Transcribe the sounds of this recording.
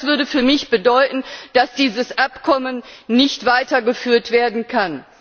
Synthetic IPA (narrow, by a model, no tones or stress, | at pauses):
sv̥ʏɐdəfyːɐmɪçb̥ədɔʏtn̩d̥asd̥iːzəsʔapkʰɔmənːɪçtv̥aɪtɐɡəfyːɐtv̥eːɐdn̩kʰan